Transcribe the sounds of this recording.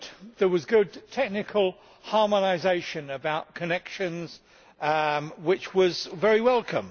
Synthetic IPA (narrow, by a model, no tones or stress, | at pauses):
ðəwʌzɡʊd̚tʰɛk̚nɨkʰəlˠ | hɑɹmənaɪzeɪʃɨ̃nəbaʊt̚kʰənɛkʃɨ̃nz̥ | wɪt͡ʃwʌzvɛɹiwɛlˠkʰə̃m